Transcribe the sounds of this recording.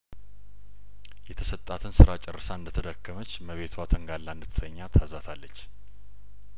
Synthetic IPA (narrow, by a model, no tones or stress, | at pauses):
jɛt̪ʰəsət̪ʼːat̪ʰɨnsɨɾat͡ʃʼɛrːɨsaɨnd̪ət̪ʰəd̪əkːəmət͡ʃːməβe̞t̪ʰwat̪ʰəŋɡalːand̪ɨt̪ʰə̥səɲːat̪ʰazat̪ʰalːət͡ʃː